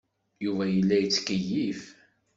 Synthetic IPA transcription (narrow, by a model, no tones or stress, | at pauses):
juvæjəlːæjət͡sːkəjːif